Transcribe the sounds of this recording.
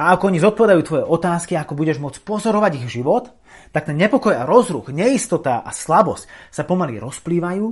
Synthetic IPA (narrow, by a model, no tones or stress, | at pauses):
aakɔɔɲizɔt̪̚pɔʋɛd̪ajuːt̪ʋɔjɛʔɔt̪aːskiaakɔbuɟɛʒmʊɔt͡spɔzɔɾɔʋaɟiɣvʒiʋɔt̪ː | ak̚t̪ɛnɲɛpɔkɔjaɾɔzɾṵɣɲɛist̪ɔt̪aʔa̰slabɔscsapɔmalḭɾɔspliːʋajuː